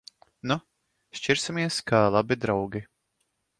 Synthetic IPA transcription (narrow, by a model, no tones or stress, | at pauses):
nu | ʃt͡ʃiɾsimiɛskʰalˠabid̪ɾawɡʲi